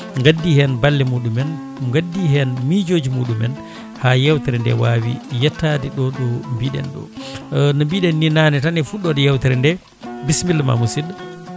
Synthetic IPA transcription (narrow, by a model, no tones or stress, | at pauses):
ŋɡadːihɛnbalːɛmuɗumɛn | ŋɡadːihɛnmid͡ʒod͡ʒimuːɗumɛn | hajɛwtɛɾɛndɛ̰wawḭjɛtːadɛɗɔɗɔmbiɗɛ̰nɗɔ̰nɔmbiɗɛnːinanɛtanɛfuɗɔdɔjɛwtɛɾɛndɛ | bismilːma̰musid